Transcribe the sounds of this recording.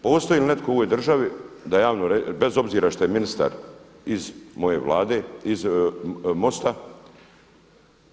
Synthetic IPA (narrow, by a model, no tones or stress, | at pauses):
po̞ːst̪ojilinet̪kʰooʋojd̪r̩ʒaʋid̪ajaːʋnoɾebe̞zo̞bziːɾaʃt̪o̞jeminist̪a̰ɾ | izmo̞je̞̰ʋlˠa̰ːd̪e̞iz | mo̞st̪a